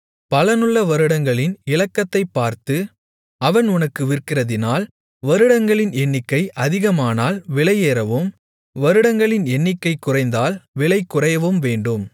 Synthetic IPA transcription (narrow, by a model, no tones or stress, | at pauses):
pɐlɐnɯɭːɐʋɐɾɯɽɐŋɡɐɭɪnɪlɐkːɐt̪ːɐɪpːaːɾt̪ɯ | ɐʋɐnʊnɐkːɯʋɪrkɪrɐðɪnaːl | ʋɐɾɯɽɐŋɡɐɭɪnɛɳːɪkːɐɪʔɐðɪɣɐmaːnaːlʋɪɭɐɪjeːɾɐʋɯm | ʋɐɾɯɽɐŋɡɐɭɪnɛnːɪkːɐɪkːʊrɐɪnd̪aːlʋɪɭɐɪkːʊrɐjɐʋɯmʋeːɳɖɯm